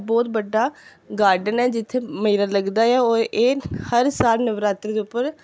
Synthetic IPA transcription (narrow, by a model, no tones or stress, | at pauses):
bɔːt̪bəɖːaː | ɡaːɾɖənɛːd͡ʒɪt̪ʰːeːmeːɾaːləɡd̪aːɛːoːʔeːhəɾsaːlnəʋɾaːt̪ɾəd̪eːʊpːəɾ